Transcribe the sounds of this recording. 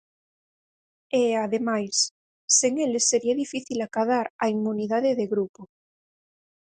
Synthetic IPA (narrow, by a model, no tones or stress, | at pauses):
eaðemajsː | eŋelesːeɾiaðifiθilakaðaɾaimuniðaðeðeɣɾupo